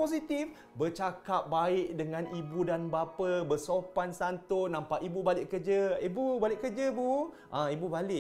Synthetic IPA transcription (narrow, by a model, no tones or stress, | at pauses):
posit̪if | bət͡ʃakap̚baɪʔ̚dəŋãnibudanbapəbəsopansant̪ʊnãmpaʔibubalɪʔkərd͡ʒəibubalɪʔkərd͡ʒəbu | ʔãibubalɪʔ